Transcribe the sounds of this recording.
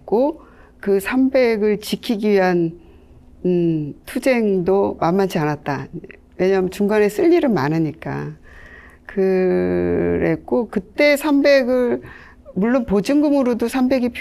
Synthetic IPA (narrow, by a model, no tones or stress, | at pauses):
k͈okɯsʰambe̞ɡɯɭt͡ɕikʰiɡiɥiɦan | tʰud͡ʑe̞ŋdomamːad͡ʑʰianat̚t͈a | we̞ɲamjt͡ɕuŋɡane̞s͈ɯʎːiɾɯnmanɯɲik͈a̰ | kɯ | ɾe̞̰k͈okɯt͈e̞sʰambe̞ɡɯɭ | muɭːonpod͡ʑɯŋɡɯmɯɾodosʰambe̞ɡipʰ